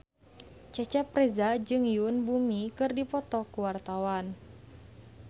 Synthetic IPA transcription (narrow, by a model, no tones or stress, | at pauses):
t͡ʃɛt͡ʃɛpɾɛzad͡ʒɨŋjunbumikɨrdipɔt̪ɔkuwart̪awan